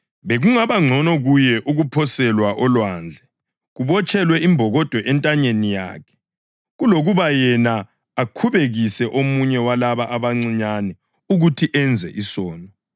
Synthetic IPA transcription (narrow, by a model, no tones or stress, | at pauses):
βeɣuŋaβaŋ͡ǀʱɔnɔɣujɛʔuɣupʰɔsɛlwaʔɔlwaːnd͡ɮʱɛ | ɣuβɔt͡ʃʰʼɛlwɛimbʱɔɣɔd̥ʱwɔʔɛntʼaɲenija̰ːkʰɛ̥ | ɣuloɣuβajɛnaː | kʰuβeɣisɛʔomuɲɛwalaβaʔaβaŋ͡ǀiɲanɛ | uɣutʰiʔɛnd͡zʱɛ̰ʔisɔːnɔ